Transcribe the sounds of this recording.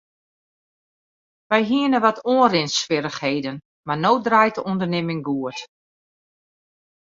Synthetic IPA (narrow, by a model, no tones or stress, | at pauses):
ʋɛjɦiənəʋɔtʰoənrɪnsʋɪɾəxheːdən | manoːw̚drajtəɔndərnɪmɪŋɡuət